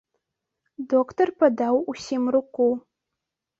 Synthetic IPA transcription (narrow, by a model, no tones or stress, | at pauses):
dokʰtʰorpʰadawusimrɨkʷʼu